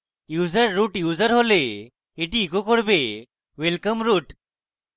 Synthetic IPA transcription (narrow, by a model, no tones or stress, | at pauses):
juːd͡zəɾːuʈjuːd͡zəɾɦole | eʈiːkokoɽbe | ʋelkəmɾuːʈ